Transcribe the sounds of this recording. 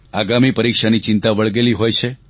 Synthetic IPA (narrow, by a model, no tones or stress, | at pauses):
aɡamipəɾikʃanit͡ʃɪnt̪aʋəɭɡeliɦojt͡ʃʰe